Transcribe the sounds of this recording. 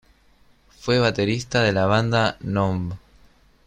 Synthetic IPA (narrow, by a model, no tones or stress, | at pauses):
fweβ̞at̪eɾist̪aðelaβ̞and̪anomb